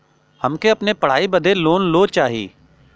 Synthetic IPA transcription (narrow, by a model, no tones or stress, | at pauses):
həmkeɐpnepəɽ̤aːibəd̪ʱeloːnloːt͡ʃaːɦḭː